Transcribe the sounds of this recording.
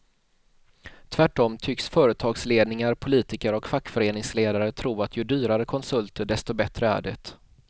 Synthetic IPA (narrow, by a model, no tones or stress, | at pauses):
t̪ʰvæʈːɔmt̪ʰʏksfœːɾət̪ʰɑːɡsleːd̪nɪŋaɾpʰʊliːt̪ɪkəɾɔkfakːfœɾeːnɪŋsleːd̪aɾət̪ʰɾuːat̪ʰjɵd̪yːɾaɾəkʰɔnsɵlt̪əɖɛst̪ɔbɛt̪ɾəæ̰ːɖɛ̰t̪